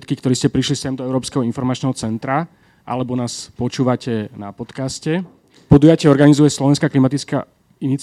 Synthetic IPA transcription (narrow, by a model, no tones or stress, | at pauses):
t̪kikt̪ɔɾiːscɛpɾiʃlisɛmd̪ɔɛʊɾɔːpskɛɦɔinfɔɾmat͡ʃnɛːɦɔt͡sɛnt̪ɾa | ʔa̰lɛbɔnaːspɔt͡ʃuːʋacɛna̰pɔt̪kascɛ | pɔd̪ujacɛɔɾɡanizujɛslɔʋɛnskaklimat̪it͡ska̰ | init͡s